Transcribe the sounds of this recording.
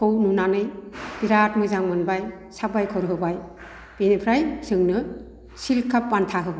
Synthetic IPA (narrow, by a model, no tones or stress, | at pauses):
kɯwnunanɯjb̥iɾatmɯjzaŋmɯnbaj | sabajkʰɔɾɦɯbaj | b̥enipʰɾajsɯŋnɯ | silkʰapːantʰaɦɯba